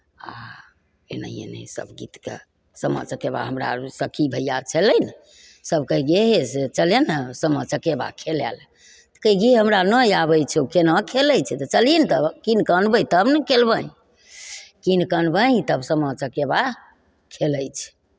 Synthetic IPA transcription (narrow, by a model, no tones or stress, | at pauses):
a | ḛnə̰iḛnɛ̰sə̰bɡḭt̪kḛ | səmə̰t͡ʃəkeba̰ɦəmɾa̰səkʰibʱəjat͡ʃʰələjn | səbkəiɡeɦeset͡ʃəlenəsəmət͡ʃəkeba̰kʰelɛ̰l | t̪ə̥kəiɡiɦəmɾanəiabəjt͡ʃʰkenə̃kʰeləjt͡ʃʰɛt̪ət͡ʃəlint̪əkinkənbəjt̪əbnəkʰelbəĩ | kinkənbəĩt̪əbsəmət͡ʃəkeba | kʰeləjt͡ʃʰɛ̥